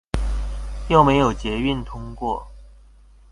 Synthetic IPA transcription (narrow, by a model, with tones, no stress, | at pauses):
jɑ˥˩ʊme˧˥ɪjo˨˩ʊt͡ɕjɛ˧˥y˥˩nt̪ʰʊ˥ŋkwɔ˥˩